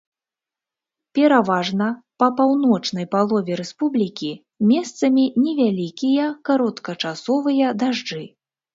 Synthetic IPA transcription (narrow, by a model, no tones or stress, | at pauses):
pʲɛɾavaʐnɐpɐpawn̪ɔt͡ʂnɐjpalˠɔvʲɛɾɛspublʲikʲi | mʲɛst̪sɐmʲinʲɛvʲalʲikʲijɐkaɾɔt̪kɐt͡ʂasɔvɨjɐd̪aʐd͡ʐɨ